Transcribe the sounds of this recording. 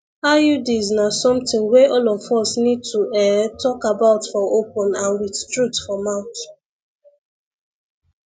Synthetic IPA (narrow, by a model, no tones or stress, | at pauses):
ajudiznasɔ̃mtɪ̃ŋweʔɔlɔvɔsnid̚tʰuɛtʰɔkabaʊtfɔʔopɔ̃nãnwidtɹutfɔmãʊ̃t